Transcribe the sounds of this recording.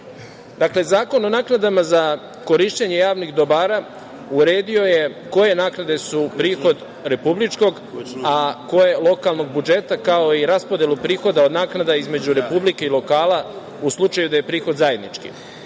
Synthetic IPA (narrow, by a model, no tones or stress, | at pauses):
d̪akle̞zaːko̞no̞naːknad̪amaza | ko̞ɾiʃt͡ɕeɲe̞jaːʋnixd̪o̞baːɾa | uɾe̞ːd̪io̞je̞ko̞je̞naːknad̪e̞supɾiːxo̞d̪ | ɾe̞publit͡ʃko̞ɡ | ako̞je̞lˠo̞kalno̞ɡ̚bud͡ʒe̞t̪akao̞iɾaspo̞d̪je̞lˠupɾiːxo̞d̪ao̞d̪naːknad̪aizme̞d͡ʑuɾe̞publike̞ilo̞kaːla | uslˠut͡ʃajud̪aje̞pɾiːxo̞d̪zaje̞d̪nit͡ʃkḭ